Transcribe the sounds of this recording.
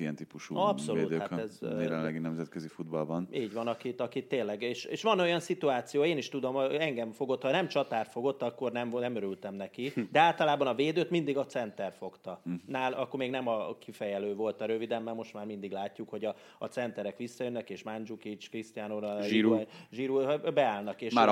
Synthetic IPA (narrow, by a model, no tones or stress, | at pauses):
iɛnt̪ipuʃṵɒpso̞luːtd̪øaɛzɛlɛ̰nlɛɡinɛmzɛt̪køzifud̪bɒlbɒniːɟʋɒnɒkit̪ɒkit̪ːeːnlːɛɡeːʃeːʃʋɒno̞jɒnsit̪uaːt̪sijoːeːniʃt̪ud̪o̞moɛŋɡɛɱfo̞ɡo̞t̪hɒnɛmt͡ʃɒt̪aːrfo̞ɡo̞t̪ːɒkːo̞rnɛmnɛmøɾylt̪ɛmnɛkid̪ɛaːlt̪ɒlaːbɒnɒveːd̪øːt̪mind̪iɡɒt̪sɛnt̪ɛrfo̞kt̪ɒnaːlɒkːormeːɡnɛmɒkʰifɛjɛløːvo̞lt̪ɒɾøvid̪ɛmːɛlmo̞ʃt̪maːrmind̪iɡlaːcːukho̞ɟɒː | t̪sɛnt̪ɛɾɛkʋisːɒjønːɛkeːʃmand͡ʒukit͡ʃkrist̪ijaːnoɾiɾʒiːɾubɛaːlnɒkeːʃ